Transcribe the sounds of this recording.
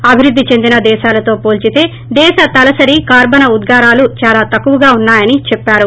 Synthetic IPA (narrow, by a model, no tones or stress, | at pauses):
ɐbʱiɾud̪ʱːit͡ʃe̞nd̪inɐd̪ɛːʃaːlɐt̪o̞ːpoːlt͡ʃit̪e̞ː | d̪ɛːʃɐt̪ɐlɐsɐɾikaːɾbɐnɐud̪ɡaːɾaːlut͡ʃaːlaːt̪ɐkːuʋɐɡaːunːaːjɐnit͡ʃɛpːaːɾu